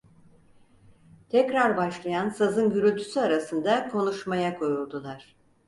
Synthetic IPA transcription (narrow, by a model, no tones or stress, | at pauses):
t̪ʰɛcɾaɾbaʃlˠajansazɯnɟyɾyt̪ʰysyaɾasɯnd̪akʰo̞nuʃmajakʰo̞julˠd̪ulˠaɾ̥